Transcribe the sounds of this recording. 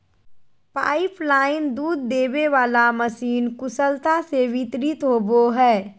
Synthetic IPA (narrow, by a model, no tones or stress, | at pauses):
pa̰ːɪplaːɪnd̪uːd̪̚ːeːbeʋaːlaməsiːnkʊsəlt̪aseʋɪt̪ɾɪt̪ɦoːboɦɛː